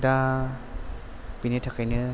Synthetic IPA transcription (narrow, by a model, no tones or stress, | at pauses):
da | pinitʰakajnɯ